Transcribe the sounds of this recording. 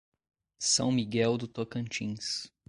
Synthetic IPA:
sɐ̰̃w̃miɡɛwd̪ʊt̪okɐ̃nt͡ʃḭ̃s

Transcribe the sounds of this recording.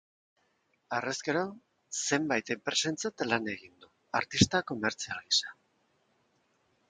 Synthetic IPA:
aresɡe̞ɾo̞ | se̞mbajt̪empɾesent͡sat̪alane̞ɣind̪u | aɾt̪ist̪ako̞me̞ɾt͡sialisḁ

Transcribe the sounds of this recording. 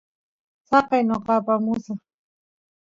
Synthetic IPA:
sɑqɑjnoqɑpamʊsa

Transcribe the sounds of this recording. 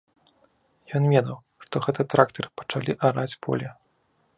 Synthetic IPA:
jɔnvʲɛd̪ɐw | ʂt̪ɔɣɛt̪ɨt̪ɾakt̪ɐrpɐ̥t͡ʂalʲiʔaɾat͡sʲpɔ̰lʲɛ

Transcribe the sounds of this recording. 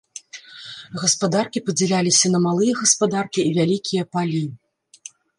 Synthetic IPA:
ɣɐspad̪arkʲipɐd͡zʲɛlʲalʲisʲɐnɐmalˠɨjɐɣɐspad̪arkʲiːvʲalʲikʲijɐpalʲi

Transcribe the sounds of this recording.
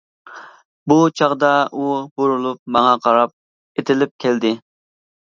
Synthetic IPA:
but͡ʃʰɑʁd̪ɑʔuboɾulˠup̚mɑŋɑqʰɑɾɑp̚ | et̪ʰɪlɪp̚kʲʰɛld̪ɪ

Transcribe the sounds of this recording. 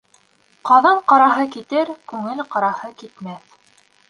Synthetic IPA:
qɑðɑɴqɑɾɑɦɤkit̪ɘɾkʉŋɘlqɑɾɑhɤkit̪mæθ

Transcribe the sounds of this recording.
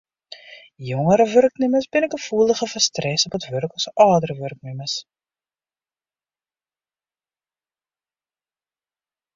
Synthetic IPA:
jɔŋəɾəvɵrknyməsbɪnɛkəfuːləχəfəstrɛsɔpətvɵrkɔsəʔɑːdəɾəvɵrk̚nyməs

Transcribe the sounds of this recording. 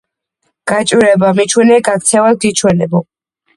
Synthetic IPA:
ɡ̥at͡ʃʼwiɾɛbamit͡ʃʰwɛnɛɡak̚t̪sʰɛvad̚ɡit͡ʃʰwɛnɛbɔ

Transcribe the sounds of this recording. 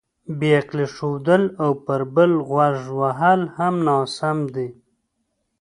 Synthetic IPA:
beaqleʂod̪əlawpəɾbəlɣwaʐwaɦalhamnɑsamd̪i

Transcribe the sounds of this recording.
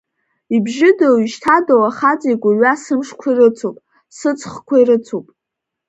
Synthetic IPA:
ibʒɪdaʃtʰadowaχat͡sʼiɡʷaɥasɨmʂkʷʰairɨt͡sʰopʼ | sɨt͡sʰʼχkʷʰairɨt͡sʰopʼ

